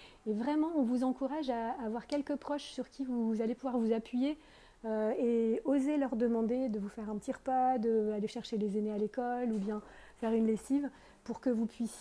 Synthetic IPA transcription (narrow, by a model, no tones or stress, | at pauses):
evʁɛmɑ̃ɔ̃vuzɑ̃kuʁaʒaːvwaʁkʲɛlkəpχɔʃsyʁkʲivuzalepuvwaʁvuzapɥije | øeozelœʁd̪əmɑ̃d̪ed̪əvufɛʁɛ̃pət̪iʁəpad̪əaleʃɛʁʃelezenealekɔlubjɛ̃fɛʁynlesiv | puʁkəvupɥis